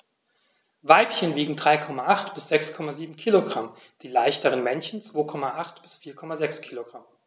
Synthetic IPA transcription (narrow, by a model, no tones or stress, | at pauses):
vaɪpçənviːɡŋ̩dʁaɪkʰɔmaʔaχtb̥ɪsz̥ɛkskʰɔmaziːbm̩kʰiːloɡʁam | d̥iːlaɪçtəʁənmɛnçn̩t͡sv̥oːkʰɔmaʔaχtb̥ɪsfiːɐkʰɔmazɛkskʰiːloɡ̥ʁam